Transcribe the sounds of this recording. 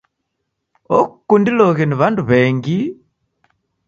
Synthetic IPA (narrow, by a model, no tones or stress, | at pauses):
okkːundiloɣeniβaːnduβeːŋɡi